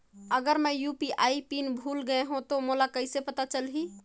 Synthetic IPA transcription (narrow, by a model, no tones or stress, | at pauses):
əɡəɾməjupiʔaːipinbʱulɡəeɦũt̪omolakəɪsepət̪at͡ʃəlɦi